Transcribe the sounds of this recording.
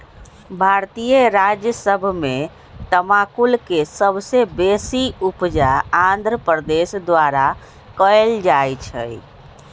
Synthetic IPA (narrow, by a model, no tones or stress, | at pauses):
bʱaɾt̪ijəɾad͡ʒjəsəbʱme | t̪əmakulkesəbsebesiupd͡ʒaand̪ʱɾəpəɾd̪esd̪ʋaɾa | kəjld͡ʒajt͡ʃʰə̰j